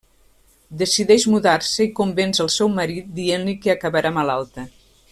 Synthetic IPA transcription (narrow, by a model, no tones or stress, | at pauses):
d̪əsiðɛʒmuðaɾsəikumbɛnzəlˠsɛwməɾit̪̚d̪ienlikeəkəβəɾamalalˠt̪ə